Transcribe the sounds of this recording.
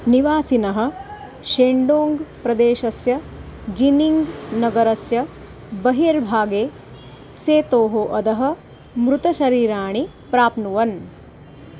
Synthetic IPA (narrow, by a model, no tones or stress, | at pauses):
niʋaːsinɐɦɐ̆ | ʃeːɳɖoːŋɡpɾɐd̪eːʃɐsjɐ | d͡ʒiniŋɡnɐɡɐɾɐsjɐ | bɐɦiɐɾbʱaːɡeː | seːt̪oːɦoʔɐd̪ɐɦɐ̆ | mɾut̪ɐʃɐɾiːɾaːɳi | pɾaːpnuʋɐn